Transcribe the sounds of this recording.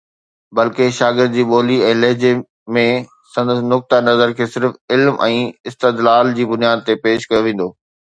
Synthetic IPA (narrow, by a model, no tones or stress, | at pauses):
bɐlkeʃaːɡɪɾd̪̚d͡ʑiːɓoːliɛ̃ːlɐɦd͡ʑe | mẽ | sɐ̃nd̪əsnʊk̚t̪anɐzəɾkʰeːsɪɾfɪlmʔɛ̃ːɪst̪ed̪laːld͡ʑiːbʊnijaːd̪̚t̪epeːʃkɐjoʋẽːn̆d̪oː